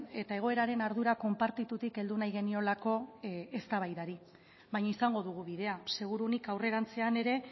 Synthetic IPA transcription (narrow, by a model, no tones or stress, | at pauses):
e̞t̪ae̞ɣ̞o̞e̞ɾaɾe̞naɾðuɾako̞mpaɾt̪it̪ut̪ike̞ld̪unajɣ̞e̞nio̞lako̞est̪aβ̞ajðaɾi | βajɲaisaŋɡo̞ðuɣ̞uβið̞e̞ase̞ɣ̞uɾunikawre̞ɾant͡se̞ane̞ɾe̞